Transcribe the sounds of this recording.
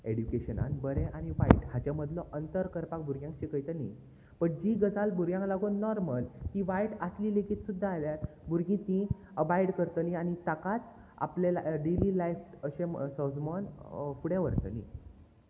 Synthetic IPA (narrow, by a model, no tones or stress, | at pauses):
eɽjukeɕəna̰nbəɾẽʔañiʋaḭʈɦhat͡ɕaməd̪lɔʔənt̪əɾkəɾpak̚bʱuɾɡjãŋkɕikəjt̪ənḭ | pəɳd͡ʑiɡəd͡zalbʱuɾɡjãŋklaɡonnːɔɾməlk̪iʋajʈəsliːlekʰiːt̪sud̪ʱːaːljat̪ | bʱuɾɡĩt̪ĩ | əbajɽkəɾt̪ənĩanit̪akat͡s | a̰plelaɖelilajfəɕẽsəd͡zmɔnfuɽẽʋəɾt̪ə̰nḭ̃